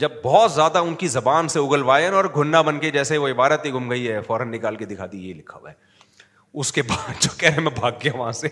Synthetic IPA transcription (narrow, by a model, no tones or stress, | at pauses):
d͡ʒɐb̚ːɔːt̪zjaːd̪aʊnkizɐbaːnseʊɡəlʋaːəɔːɾɡʱʊnːabɐnked͡ʒɛːseiʋoɪbaːɾət̪iɡʱʊmɡɐiɦɛfɔːɾənːɪkaːlked̪ɪkʰaːd̪ijeilɪkʰaʋɛ | ʊskebaːd̪d͡ʒoːkɛɾɛɦɛ̃mɛ̃bʱaːɡ̚ːeaʋɐɦãse